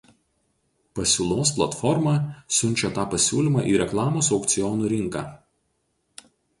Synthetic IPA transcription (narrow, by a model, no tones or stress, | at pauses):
pɐsʲuːlˠoːsplˠɐt̪fɔɾmɑːsʲʊnʲˑt͡ʃʲɛt̪ɑːpɐsʲuːlʲimɑːʔiːɾʲɛklˠɑːmoːsɒʊkt̪sʲɪjɔnuːɾʲɪŋkɑː